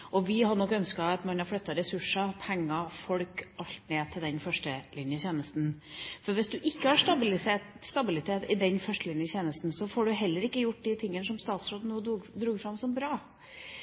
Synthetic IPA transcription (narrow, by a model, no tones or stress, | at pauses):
ʔɔʋɪɦɑɳɔkːœnskɑɑt̪mɑnɑɾflœt̪ːɑɾɛsʉʂɑpʰɛŋːɑfɔɽkʔɑlt̪neːt̪ʰɪld̪ɛnfœʂʈəlɪnjəçeːnəst̪n | fɔɾʋɪsd̪ʉʔɪkːəhɑʂtɑblɪsst̪ɑbɪlɪt̪ʰeːt̪ɪd̪ɛnfœʂʈəlɪnjəçeːnəst̪n̩sɔfɔːɖʉɦɛlːəɾɪkːəjʊʈ̚ːd̪ɪt̪ʰɪŋːənəsɔmst̪ɑːt̪sɾoːd̪nuːəd̪ɾuːɡfɾɑmːsɔmbɾɑː